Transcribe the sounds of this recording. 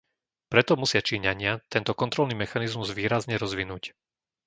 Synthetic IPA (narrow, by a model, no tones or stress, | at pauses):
pɾɛt̪ɔmusɪat͡ʃiːɲaɲɪat̪ɛnt̪ɔkɔnt̪ɾɔlniːmɛxanizmuzʋiːɾazɲɛɾɔzʋinuːc